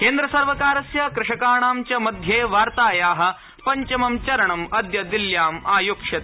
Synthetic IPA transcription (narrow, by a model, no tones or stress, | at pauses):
keːnd̪ɾɐsɐɾʋɐkaːɾɐsjɐkɾɪʂɐkaːɳaːmt͡ʃɐmɐd̪ʱjeːʋaːɾt̪aːjaːɦɐ̆ | pɐɲt͡ʃɐmɐmt͡ʃɐɾɐɳɐmɐd̪jɐd̪iljaːmaːjoːkʂɐt̪